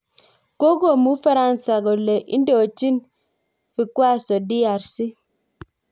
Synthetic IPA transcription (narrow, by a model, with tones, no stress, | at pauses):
ko˦ɡo˦˨mu˨˦fa˦ɾa˦nsa˨ɡɔ˨le˨ʔi˦n˦dɔ˨t͡ʃi˦n | fi˨kwa˦˨sɔ˨di˦a˨ɾsi˦